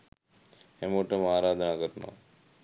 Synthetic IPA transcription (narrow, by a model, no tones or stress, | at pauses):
hẽmoʈəmaːɾaːd̪ʱənaːkəɾna̰